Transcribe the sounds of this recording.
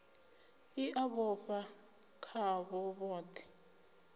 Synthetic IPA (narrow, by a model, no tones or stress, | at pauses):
iʔaβɔɸa | kʰaβɔβɔːtʰɛ̥